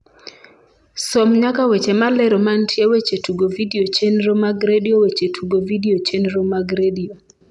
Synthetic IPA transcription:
sɔmɲakawet͡ʃemalɛɾɔmantʰjewet͡ʃetuɡovidiot͡ʃenɾomaɡɾediowet͡ʃetʰuɡovidiot͡ʃenɾomaɡɾedio

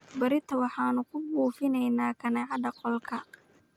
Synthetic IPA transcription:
bɐɾɪt̪ʰɐwɑħɑːnʊkʰʊbuːfɪnɛjnaːkʰɐnɛʕɑd̪ɐqɔlkʰɐ

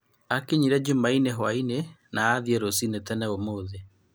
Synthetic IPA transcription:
akeɲiɾɛd͡ʒumaineɦwainenaːðiɛɾosinetɛnɛomoːðe

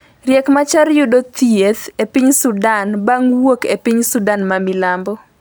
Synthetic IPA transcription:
rjɛkmat͡ʃarjʊdot̪iet̪epiɲsʊdanbaŋwokepiɲsʊdanmamɪlambɔ

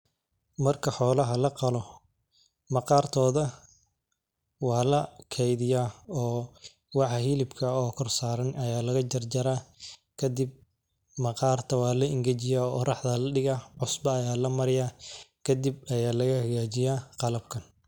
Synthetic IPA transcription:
mɐrkʰɐħɔːlɐɦɐlɐqɑlɔ | mɐqɑːrt̪ʰɔːðɐ | wɑːlɐkʰɛjðɪjaːɔː | wɑħhilɪbkʰɐɔːkʰɔrsaːɾɐnɐjaːlɐɣɐt͡ʃɐrd͡ʒɐɾaːkʰɐd̪ɪb̚ | mɐqɑːrt̪ʰɐwɑːlɐɪŋɡɐt͡ʃɪjaːɔːʔːrɑħd̪ɐlɐɖɪɣaʕʊsbɐːjaːlɐmɐɾɪjaːkʰɐd̪ɪb̚ɐjaːlɐɣɐhɐɣaːt͡ʃɪjaːqɑlɐb̚kʰɐn

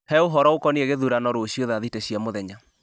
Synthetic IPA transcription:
hɛoɦɔɾɔokɔneeɣeðuɾanɔɾoɕioðaðiteɕiɛmoðɛɲa

